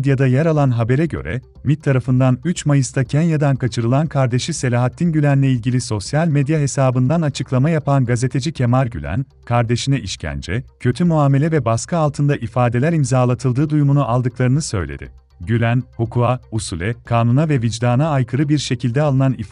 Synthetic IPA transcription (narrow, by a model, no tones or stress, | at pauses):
d̪jad̪ajeɾalˠanɦabe̞ɾɛɟø̞̰ɾɛ̰ | mit̪ʰːaɾafɯnd̪anyt͡ʃmajɯst̪ʰacʰænjad̪ankʰat͡ʃʰɯɾɯlˠankʰaɾd̪e̞ʃise̞lʲaːɦat̪ʰːinɟylʲænlʲɛilʲɟilʲiso̞sjalʲmed̪jaɦe̞saːbɯnd̪anat͡ʃʰɯklˠamajapʰanɡaze̞t̪ʰe̞d͡ʒicʰe̞maɾɟy̰lʲæ̰n | kʰaɾd̪e̞ʃinɛʔiʃcʰæ̰nd͡ʒɛcʰø̞t̪ʰymuaːme̞lʲɛvɛbaskʰaalˠt̪ʰɯnd̪aʔifaːd̪e̞lʲæɾimzaːlˠat̪ʰɯlˠd̪ɯːd̪ujmunuʔalˠd̪ɯklˠaɾɯnɯsø̞̰jlʲḛd̪ɪ̰ | ɟylʲænhukʰuausulʲɛkʰaːnunavɛvid͡ʒd̪aːnaːjkʰɯɾɯbiɾʃe̞cʰilʲd̪ɛalˠɯnanif